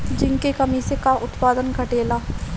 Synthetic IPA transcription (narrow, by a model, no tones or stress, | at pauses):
d͡ʒɪŋkekɐmisekaʔʊt̪paːd̪ənkɐʈeːlaː